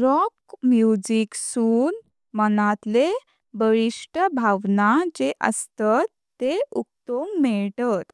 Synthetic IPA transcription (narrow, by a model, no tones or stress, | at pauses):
ɾɔkmjud͡ʑiksuːn | mənat̪le | bəɭiʂʈəbʱaʋnad͡ʑeʔə̰st̪at̪ːeuk̚t̪oŋɡmɛɭʈat̪